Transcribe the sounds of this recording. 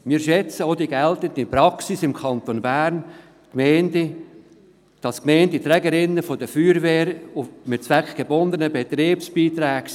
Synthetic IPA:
miːʃɛt͡səodiɡɛltətipɾɑksisɪmkʰɑnt̪onbæːɾn | kmɛɪndi | d̥ɑskmɛɪntit̪ɾɛɡəɾɪnːəfodəfyːɾvɛːɾʊmɪt̚t͡sʋækχɡ̥ebɔnd̪ənəbet̪ɾeːpsb̥iːt̪ɾɛːɡ̥

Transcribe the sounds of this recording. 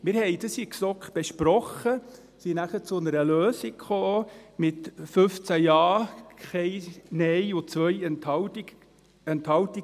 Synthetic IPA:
mɪːɾhɛɪd̥̪əsiksɔkχb̥eʃpɾɔχə | sinæχət͡sʊnəɾəløːsikχoːmɪt̪fɵft͡sæjɑːkχɛɪnɛjʊt͡sʋœjt | ɛnt̪hɑwt̪i

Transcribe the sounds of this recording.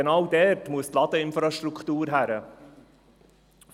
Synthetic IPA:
enɑwdɛɾtmuəst̪lɑd̥̪əɪnfɾɑʃtɾukχt̪uːɾɦæɾə

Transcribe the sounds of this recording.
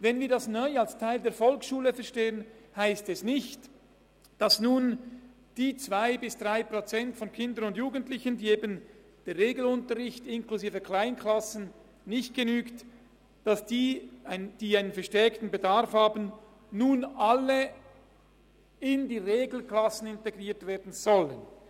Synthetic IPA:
vɛnviːɐdasnɔʏalstʰaɪldeːɐfɔlksʃuːləfɛɐʃteːənhaɪstɛsnɪçt | d̥ɑsnuːn | d̥iːt͡svaɪbɪsd̥ʁaɪpʁot͡sɛntfɔnkʰɪndənʊndjuːɡəntlɪçəndiːeːbən | d̥eːʁeːɡl̩ʊntəʁɪçtɪnkluziːvəkʰl̥aɪnkʰlɑsən̩ | nɪçt̚ɡ̥enyːkt | d̥ɑsd̥iːaɪnd̥iːaɪnənfɛɐʃtɛɐktn̩bedaʁfhɑːbən̩ː | uːnʔɑlə | ɪndiːʁeːɡl̩kʰlɑsən̩ɪnteɡʁiːɐtv̥eːɐdn̩z̥ɔlən

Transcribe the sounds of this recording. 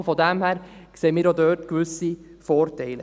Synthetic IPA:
fɔdæmhæːɾkseːmiːɾodœːtkʋʏsi | fɔːɾtɛɪlə

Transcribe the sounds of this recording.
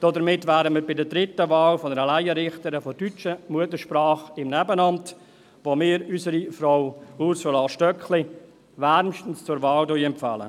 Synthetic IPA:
d̥ɔdəɾmɪtvæːdəmiːɾbɪdədɾɪtːəvɑːlfɔnəɾəlæɪəɾɪχtəɾəfɔdyt͡ʃəmuətəɾʃprɑːχɪmnɛbənɑnt | ʋomɪːɾysəɾifrawuɾsulaːʃtœkχlɪ | væɾmʃtən̩st͡sʊɾvɑːldɔjɛmpfɑ̰lə̰

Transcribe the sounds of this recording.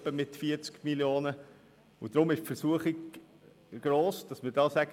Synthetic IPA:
pəmɪtfiət͡skmiljoːnə | ʊd̥ɾʊmɪʃpfəɾsuəχiɡ | ɡ̥ɾoːsd̥ɑsməɾdɑːsæɡ̥

